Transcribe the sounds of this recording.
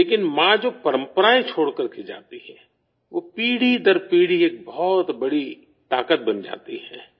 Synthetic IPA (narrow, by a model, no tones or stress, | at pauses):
leːkɪnmãd͡ʒopɐɾə̃mpɾaːet͡ʃʰoːɽkəɾked͡ʒa̰ːt̪iɦɛ | ʋoːpiːɽid̪əɾpiːɽieːk̚bɔɔːt̪bɐɽi | t̪aːkət̪̚bɐnd͡ʒa̰ːt̪iɦɛː